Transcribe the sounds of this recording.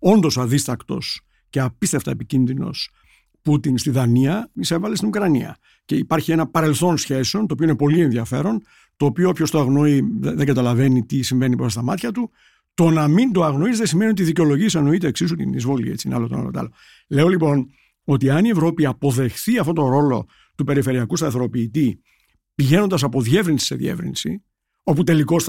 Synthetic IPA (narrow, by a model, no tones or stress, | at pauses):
o̞nd̪o̞sɐðist̪ɐkt̪o̞̰s | ce̞ɐpist̪e̞ft̪ɐ̰epicinðino̞̰s | put̪inst̪iðɐniɐise̞vɐle̞st̪inukɾɐniɐ̰ | ce̞ipɐɾçienɐpɐɾe̞lθo̞nsçe̞seo̞nt̪oːpioinepo̞lie̞nðiɐfe̞ɾo̞n | t̪o̞ːpioopço̞st̪oɐɣno̞iðeɡɐt̪ɐlɐve̞nit̪isiɱve̞nipɾosɐst̪ɐmɐt̪çɐt̪u | t̪o̞nɐmind̪oɐɣno̞izðesimeniot̪iðiceo̞lo̞ʝisɐno̞it̪eːksisut̪ḭnizvo̞lḭḛt͡sinɐ̰lot̪onɐ̰lo̰t̪ɐ̰lo | le̞o̞lipo̞n | o̞t̪iɐnievɾo̞piɐpo̞ðe̞xθiɐft̪o̞t̪o̞ɾo̞lo̞̰ | t̪upe̞ɾife̞ɾiɐkust̪ɐθɾo̞piːt̪i | piʝe̞no̞nd̪ɐsɐpo̞ðie̞vɾinsi̥se̞̰ðḭḛvɾḭnsḭ | o̞put̪e̞liko̞s